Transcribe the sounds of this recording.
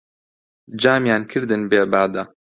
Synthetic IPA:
d͡ʒaːmjaːnkʰɨɾd̪ɨnbeːbaːd̪ɐ

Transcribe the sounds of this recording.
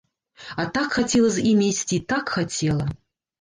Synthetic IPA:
at̪akxatʲelˠəsʲimʲejsʲtʲit̪akxat͡sʲʰelˠɐ

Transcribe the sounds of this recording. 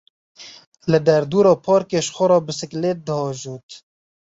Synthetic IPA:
lɨd̪ɛɾd̪uːɾɑːpʰɑːɾkeːʃxʷʊɾɑːbɨsɨkleːt̪̚d̪ɨhɑːʒuːt̪

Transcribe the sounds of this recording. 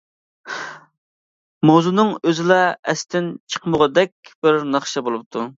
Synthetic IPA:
mowzunɨŋøzɪlɛɛst̪ɪnt͡ʃʰə̥qməʁɑd̪ɛkʲb̥ɪɾnɑχʃɑbolˠup̚t̪ʰu

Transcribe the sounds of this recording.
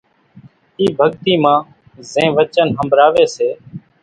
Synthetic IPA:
iːbʱəɡt̪iːmãː | zẽːʋət͡ʃənɦəmbʱɾaːʋeːseː

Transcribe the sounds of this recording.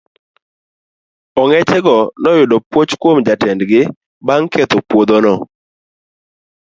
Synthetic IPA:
ɔŋɛt͡ʃɛɡɔnɔjʊdɔpwot͡ʃkwomd͡ʒatɛndɡɪ | baŋkʰɛt̪opwod̪onɔ

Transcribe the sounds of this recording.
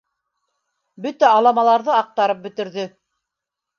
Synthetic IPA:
bɵt̪æɑlˠɑmɑlˠɑɾðɤɑq̚t̪ɑɾɤp̚bɵ̆t̪ɘ̆ɾðɵ

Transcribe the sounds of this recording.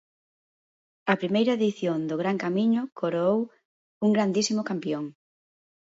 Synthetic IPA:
ɐpɾimejɾɐeðiθjond̪oɣɾaŋkamĩɲʊkʰoɾoow | uŋɡɾand̪isimʊkampjoŋ

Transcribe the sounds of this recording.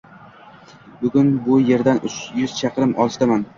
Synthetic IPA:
bʊɡʲʊnbʊje̞ɾd̪anʊt͡ʃjʊz̥t͡ʃʰɑqɨɾɪmʔɒlˠɪʃt̪aman

